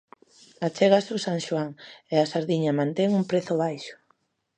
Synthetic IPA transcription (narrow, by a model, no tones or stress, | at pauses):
at͡ʃɛɣasusaŋʃwaŋeasaɾðiɲamãnt̪ɛŋumpɾeθʊβajʃʊ̥